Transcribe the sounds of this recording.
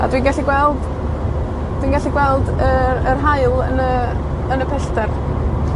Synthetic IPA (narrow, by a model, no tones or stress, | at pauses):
a̰dwinɡaɬiɡwɛlˠd̥ | d̥wiːnɡaɬiɡwɛlˠdəərɦaɨlˠənə | ənəpʰɛstɛr